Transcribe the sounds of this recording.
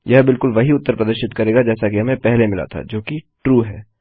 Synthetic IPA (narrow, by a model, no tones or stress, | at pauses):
jɐɦbɪlkʊlʋɐɦiʊt̪ːəɾpɾɐd̪əɾʃɪt̪kɐɾeːɡad͡ʒɛːsakiɦɐmẽpɛɦlemɪla̰t̪ʰa̰d͡ʒoːkiʈɾuːɦɛː